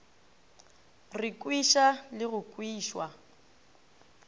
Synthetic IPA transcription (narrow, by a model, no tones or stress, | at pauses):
rɪkʼwiʃalɪɣʊkʼwiːʃwa